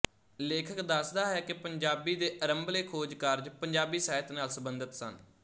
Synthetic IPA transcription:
leːkʰəkd̪əsd̪aːɦɛːkɪpəɲd͡ʒaːbiːd̪eːʔəɾəmbleːkʰoːd͡ʒkaɾd͡ʒpəɲd͡ʒaːbiːsaːət̪naːlsəbənd̪ət̪sən

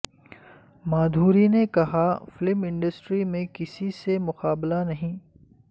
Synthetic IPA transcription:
maːd̪ʱuːɾinekɐɦafɪlɪmɪ̃ɳɖəsʈɾimẽkɪsisemʊqaːblanɐɦĩː

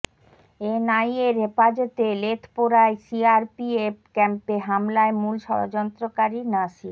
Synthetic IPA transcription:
enajeɾɦepad͡ʑɔt̪elet̪ʰpoɾaesiaɾpiep̚kɛmpeɦamlaemulʃɔ̰ɾod͡ʑɔnt̪ɾokaɾinaʃi

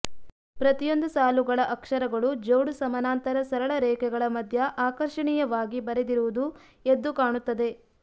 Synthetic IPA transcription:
pɾɐt̪ijo̞nd̪usaːluɡɐɭɐʔɐkʂɐɾɐɡɐɭud͡ʒɐwɽusɐmɐnaːnt̪ɐɾɐsɐɾɐɭɐɾɛːkɛɡɐɭɐmɐd̪ʱjɐʔaːkɐɾʂɐɳijɐʋaːɡibɐɾed̪iɾuʋud̪u | ed̪ːukaːɳut̪ːɐd̪e̞

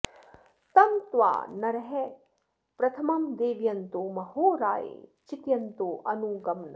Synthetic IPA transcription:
t̪ɐnt̪ʋa̰ːnɐɾɐɦɛ | pɾɐt̪ʰɐmɐmd̪eːʋjɐnt̪oːmɐhoːɾa̰ːjḛːt͡ʃit̪jɐnt̪oːʔɐnuːɡɐmnɐ

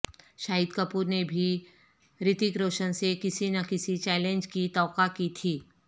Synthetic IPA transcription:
ʃaːid̪kɐpuːɾnebʱi | ɾɪt̪ikɾoːʃənsekɪsinɐkɪsit͡ʃɛːlẽnd͡ʒkit̪ɔːkakit̪ʰiː

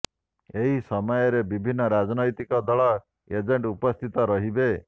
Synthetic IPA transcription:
eɦisɔmɔjɔɾebibʱinːɔɾad͡ʒnɔjt̪ikɔd̪ɔɭɔ | ed͡ʒeɳʈupɔst̪ʰit̪ɔɾʌɦibe

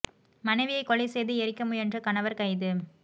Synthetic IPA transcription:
mɐnɐɪʋɪjɐɪkːɔɭɪsejðɯɛɾɪkːɐmɯɛndrɯkɐnɐʋɐɾkɐɪðɯ

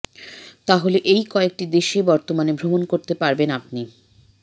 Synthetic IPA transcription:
t̪aɦoleʔejkɔek̚ʈid̪eʃebɔɾt̪omanebʱɾomonkoɾt̪epaɾbenap̚ni

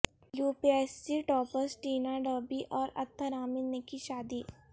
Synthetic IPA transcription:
juːpiɛssiʈɔːpəsʈiːnaɖəːbiʔɔːɾɐ̰t̪ʰːəɾaːmɪlnekiʃaːd̪i

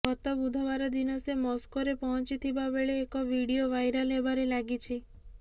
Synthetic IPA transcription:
kɔt̪ɔbud̪ʱɔʋaɾɔd̪inɔsemɔskoɾepɔɦɔnt͡ʃit̪ʰibabeɭeːkɔʋiɽioʋajɾalebaɾelaɡit͡ʃʰi

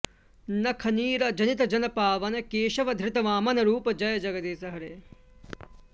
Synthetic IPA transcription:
nɐkʰɐniːɾɐd͡ʒɐnit̪ɐd͡ʒɐnɐpaːʋɐnɐkeːʃɐʋɐd̪ʱɾɪt̪ɐʋaːmɐnɐɾuːpɐd͡ʒɐjɐd͡ʒɐɡɐd̪eːsɐɦɐɾeː

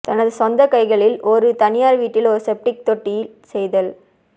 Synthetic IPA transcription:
t̪ɐnɐðɯsɔnd̪ɐkɐɪɣɐɭɪlɔɾɯt̪ɐnɪjaːɾʋiːʈːɪlɔɾɯsɛp̚ʈɪk̚t̪ɔʈːɪjɪl | sɛjðɐl

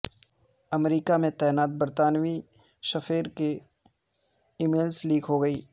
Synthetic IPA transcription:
ɐmɾiːkamẽt̪ɛːnaːt̪̚bɐɾt̪aːnwi | ʃɐfʰeːɾke | ɪmeːlsliːkʰɦoɡɐiː

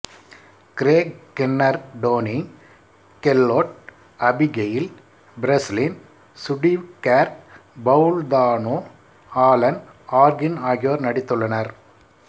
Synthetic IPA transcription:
kɪɾeːkkɛnːɐɾɖoːni | kɛlːoːʈ̚ | ɐbɪɡejɪl | bɪɾɐslin | sʊɖiʋkaːɾbɐʊld̪aːnoː | aːlɐn | aːɾɡɪnaːɣɪjoːɾnɐɽɪt̪ːɯɭːɐnɐɾ

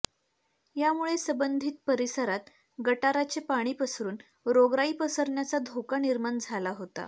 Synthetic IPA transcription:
jamuɭesəbənd̪ʱiːt̪̚pəɾisəɾat̪ | ɡəʈaɾat͡ɕepaɽ̃iːpəsɾuːn | ɾoɡɾaiːpəsəɾɳjat͡sad̪ʱokaniɾmaɳd͡zʱalaɦot̪a̰

